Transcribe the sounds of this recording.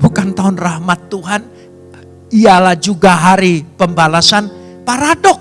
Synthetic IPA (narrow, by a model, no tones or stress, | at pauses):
bukant̪aʊnrahmat̪ːuɦan | ijalahd͡ʒuɡaɦaɾipəmbalasan | paɾadɔk̚